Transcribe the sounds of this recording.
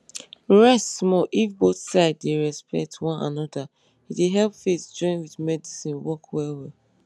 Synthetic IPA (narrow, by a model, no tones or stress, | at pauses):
ɹɛstmɔʔifboθsaɪddeɹɛspɛ̰k̚tʰwɔ̃na̰nɔda | iteɦɛlpfesd͡ʒɔ̃ɪ̃nwidmɛdisĩnwɔkwɛlwɛ